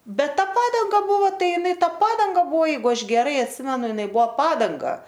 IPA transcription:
ˈbʲɛt ˈtɐ ˈpɑːdɐŋɡɐ ˈbʊʋoː ˈtɐɪ ɪˈnɐɪ ˈtɐ ˈpɑːdɐŋɡɐ ˈbʊʋoː ˈjɛɪɡʊ ˈɐʃ ɡʲɛˈrɐɪ ɐtʲˈsʲɪmʲɛnʊ ɪˈnɐɪ ˈbuɔ ˈpɑːdɐŋɡɐ

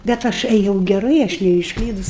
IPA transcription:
bʲɛt ˈɐʃ ɛˈjɛʊ ɡʲɛˈrɐɪ ɐʃ nʲɛɪʃˈklʲiːdʊs

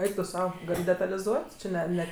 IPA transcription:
ˈɛɪk tʊ ˈsɐʊ ˈɡɐlʲ dʲɛtɐlʲɪˈzuɔtʲ t͡ʃʲɪ ˈnʲɛ ˈnʲɛ

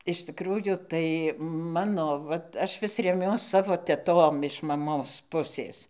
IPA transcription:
ɪʃ tʲɪkˈruːjuː tɐɪ ˈmɑːnoː ˈʋɐt ˈɐʃ ˈʋʲɪs rʲɛˈmʲuɔs ˈsɑːʋoː tʲɛˈtoːm ɪʃ mɐˈmoːs ˈpʊsʲeːs

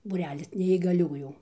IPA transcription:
buːˈrʲæːlʲɪs nʲɛiːɡɐˈlʲuːjuː

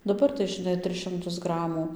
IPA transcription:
dɐˈbɐr tɐɪ ʒʲɪˈnɐɪ ˈtʲrʲɪs ʃʲɪmˈtʊs ˈɡrɑːmuː

